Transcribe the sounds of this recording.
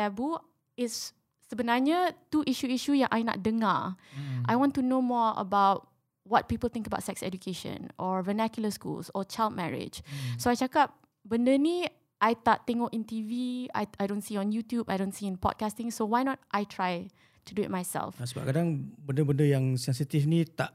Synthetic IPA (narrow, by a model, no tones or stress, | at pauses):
ɛbu | ɪtsː | əbənaɲatuʔiʃuiʃujãŋʔajna̰t̚dəŋaʔajwɔ̃ntunomɔɹə̰bawt̚ | wɔt̚pipəlt̪ɪ̃ŋkəba̰ʊtsɛksɛ̰dukʰeʃə̰̃nʔɔvənakjuləskṵlsɔt͡ʃajlt̚mɛɹɪ̰d͡ʒsoajt͡ʃakap̚ | bəndəni | ʔajt̪aʔt̪ɛ̃ŋɔkĩntivia̰jajdõnsiɔ̃njutjubajdõnsiĩnpɔ̰d̚kastɪ̃ŋsowajnɔt̚ʔajtʰɹaj | tuduɪ̰t̚majsɛ̰lfsəba̰ʔ̚kadaŋbəndəbəndəjaŋsɛ̃nsit̪ifnĩt̪aʔ